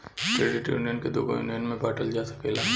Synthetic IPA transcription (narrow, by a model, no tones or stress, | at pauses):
ʈɾeːɖɪʈjṵːnijənked̪o̰ːbo̰jṵːnijənmẽbaːʈəld͡ʒaːsḁpeːla